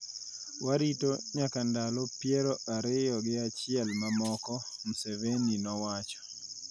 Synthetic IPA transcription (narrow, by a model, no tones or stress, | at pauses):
waɾitoɲakandalɔpjɛɾɔaɾɪjɔɡɪat͡ʃɪɛlmamɔkɔmuseveninɔwat͡ʃɔ̥